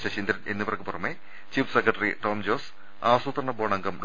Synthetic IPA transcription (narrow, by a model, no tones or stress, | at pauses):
ɕɐt͡ɕind̪ɾɐnenːɐpɐrɐkːɨpurɐmːe | t͡ɕiːfʰsekːɾɐʈːɐriʈoːmd͡ʑo̞ːs | aːʋɐsuːt̪rɐɳɐboːɳɐŋɡɐmɖ